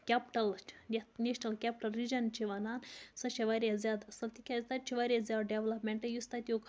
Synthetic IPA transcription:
kʲapʈɐlɐneʃnɐlkʲap̚ʲʈɐlɾid͡ʒɐnt͡ʃʰiʋɐnaːnsɐʃɐʋaɾʲɐzʲjaːd̪ɐsɐlt̪ikʲʰɐzʲt̪at͡ʃʰiʋaɾʲezʲjaːd̪ɖeʋlɐpmʲeɳʈɐjust̪at̪ʲukʰ

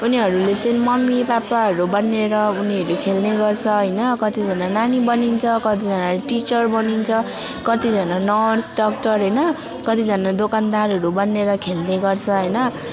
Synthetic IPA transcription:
uniɦʌɾulet͡sʌĩmʌmːibapaɦʌɾubʌnːeɾʌuniɦʌɾukʰelneɡʌrt͡sʰʌɦʌjnʌkʌt̪id͡zʱʌnananibʌnint͡sʰʌkʌt̪id͡zʱʌnaʈit͡sʌrbʌnint͡sʰʌ | kʌt̪id͡zʱʌnanʌrsɖʌk̚ʈʌrɦʌjnʌ | kʌt̪id͡zʱʌnad̪okand̪arɦʌɾubʌnːeɾʌkʰelneɡʌrt͡sʰʌɦʌjnʌ

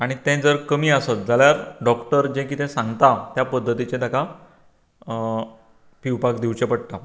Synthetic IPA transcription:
aɽ̃it̪ɛ̃d͡zəɾkəmiːəsat̪̚d͡zaljaɾɖɔkʈəɾd͡ʑẽk̬it̪ɛ̃sãŋɡt̪at̪japəd̪ʱːət̪it͡ɕẽd̪aka | piwpakd̪iwt͡ɕepəɽʈ̪a

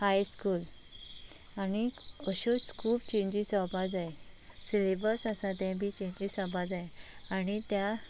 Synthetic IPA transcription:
hajskuːl | aniəɕuskʰuːpt͡ɕẽɲd͡ʑisɔbad͡zae | silebəɾsasat̪ɛ̃bʱit͡ɕẽɲd͡ʑisɔbad͡zae | aɽ̃it̪ja

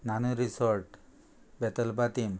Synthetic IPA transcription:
nanuɾisoɾʈ | bet̪əlpat̪im

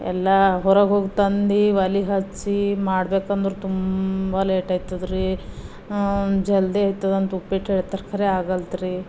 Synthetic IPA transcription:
ɛ̰lːɐɦɔɾɐɡɦoːɡt̪ɐnd̪iʋɐliɦɐt͡ʃːimaːɽbeːkɐnd̪ɾut̪umbɐleːʈaːjt̪ɐd̪ɾi | d͡ʒɛld̪eɐjt̪ːad̪ɐnt̪upːeʈɦeɭt̪ɐɾkʰɐɾeaːɡɐlt̪ɾi

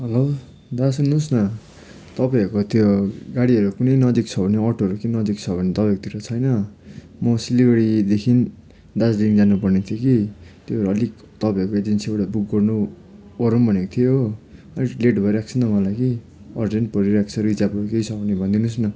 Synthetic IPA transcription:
ɦʌlo | d̪as̬unːusnʌ | t̪ʌpajʌɾkot̪ʰjoɡaɽiʌɾukunʌjnʌd͡zik̚t͡sʰʌbʱʌneʌrʈoɦʌɾukinʌd͡zik̚t͡sʰʌbʱʌnet̪ʌpajkot̪ʰiɾʌt͡sʰʌjnʌ | mʌsiliɡʌɽid̪ekʰin | d̪asliŋd͡zanupʌrnet̪ʰjokit̪joʌɾuʌlik | t̪ʌpaj̃ʌrkoed͡zensiewɽabuk̚ɡʌrnu | ʌɾumbʱʌnekot̪ʰijo | ʌlileʈbʱʌeɾak̚t͡sʰʌnʌmʌlajɡi | ʌrd͡zen̚pʌɾiɾak̚t͡sʰʌɾuid͡zabʌɾukejsʰʌbʌnebʱʌ̃nd̪inusnʌ

